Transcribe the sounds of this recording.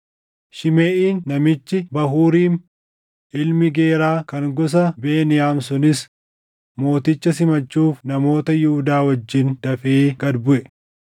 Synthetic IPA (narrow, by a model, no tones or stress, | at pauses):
ʃɪmeːʔiːnːɐmɪt͡ʃːɪbɐɦuːɾiːn | ʔɪlmɪɡe̞ːɾaːkɐŋɡɔs̬ɐbe̞ːnɪjaːmsʊnɪs | mo̞ːt̪ɪt͡ʃːɐsɪmɐt͡ʃːuːfnɐmo̞ːt̪ɐjʊhʊd̪aːwɐd͡ʒːɪnd̪̥ɐfeːɡɐd̪bʊʔɛ